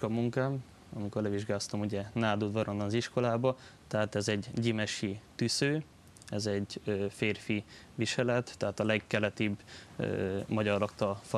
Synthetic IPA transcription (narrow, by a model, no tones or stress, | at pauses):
kɒmuŋkaːm | ɒmiko̞rlɛʋiʒɡaːst̪ɒmuɟɛnaːd̪ud̪vɒɾo̞nːɒnɒziʃko̞laːbɒt̪ɛɦaːt̪ɛzɛɟːimɛʃit̪ysøː | ɛzɛɟøːfeːrfi | viʃɛlɛt̪ːɛɦaːt̪ɒlɛɡːɛlɛt̪ibø̰mɒɟɒrːɒkt̪ɒlf